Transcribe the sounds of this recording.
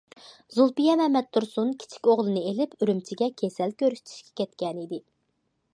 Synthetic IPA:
zulˠpijɛmɛmɛt̪̚ːuɾsunkʲʰi̥t͡ʃʰi̥kʲoʁlˠɨnɨelɪpyɾymt͡ʃʰiɡʲɛkʲʰesɛlkʲʰøɾyʃt̪ʰi̥ʃkʲɛ̥kʲʰɛt̪kʲɛnid̪ɪ

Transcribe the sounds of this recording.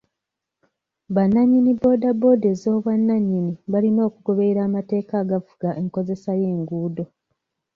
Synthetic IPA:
βanːaɲːinibo̞ːdabo̞dezo̞ːβwanːaɲːiniβalino̞ːkuɡo̞βe̞iɾaːmate̞ːkaːɡavuɡ̥aʔe̞ŋko̞ze̞saje̞ːŋɡuːdo̞

